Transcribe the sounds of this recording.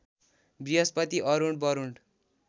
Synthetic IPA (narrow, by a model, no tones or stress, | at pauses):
biɦʌspʌt̪iʔʌɾuɳɖbʌɾuɳɖ